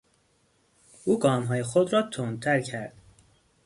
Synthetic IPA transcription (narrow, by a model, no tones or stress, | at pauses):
ʔuːɡɒːmɦɒːjexod̪ɾɒːt̪ʰont̪ʰæɾcʰæɾd̪̥